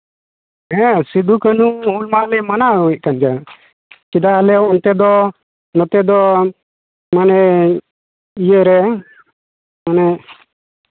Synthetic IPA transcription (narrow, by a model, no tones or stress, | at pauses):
ɦɛ̃sid̪ukənuulmalɛmanauwɛc̪̚kand͡ʒa | t͡ʃid̪alɛɔnt̪ɛd̪ɔ | nɔt̪ɛd̪ɔ | manɛ | ijəɾɛ | manɛ